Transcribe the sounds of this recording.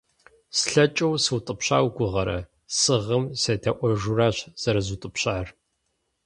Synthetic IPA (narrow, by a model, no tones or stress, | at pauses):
sɬɐt͡ʃʼɐwsɨwtʼɨpɕa̰ːwɡʷʊʁɐɾɐ̰ | sɨʁəmsɐtʰɐʔʷɔʒuraːɕz̥ɐɾɐzutʼɨpɕaːr